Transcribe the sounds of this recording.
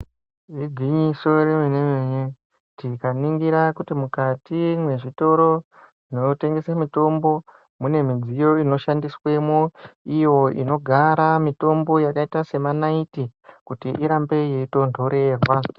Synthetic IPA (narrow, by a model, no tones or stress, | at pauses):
riɡʱiɲiso̞ɾemenemeɲe | tikaniŋɡiɾakutimukatimwe̞ʐito̞ɾo̞ | ʐ̥ino̞te̞ŋɡe̞samito̞mbo̞ | mune̞mid͡zijo̞ino̞ʃandiswe̞muijo̞ḭno̞ɡʱaɾamito̞mbo̞jakaitase̞manaitikutiʔiɾambe̞jeito̞ndʱo̞ɾe̞ːrwa